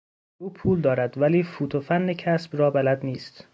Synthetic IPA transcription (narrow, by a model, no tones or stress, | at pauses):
uːpʰuːld̪ɒːɾæd̪væliːfuːt̪ʰofænːecʰæsb̥rɒːbælæd̪niːst̪